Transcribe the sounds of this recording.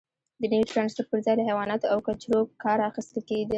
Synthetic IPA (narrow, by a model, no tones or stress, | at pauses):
d̪ənawiʈɾɑnspəʈ̚pəɾzɑjləɦawɑnat̪oawkat͡ʃɾobkɑɾaxist̪əlkeɡd̪i